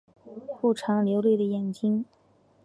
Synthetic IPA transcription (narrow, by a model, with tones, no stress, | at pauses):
xu˥˩ʈ͡ʂʰɑ˧˥ŋljo˧˥ʊlwe˥˩ɪd̪ə˩jɛ˨˩nt͡ɕi˥ŋ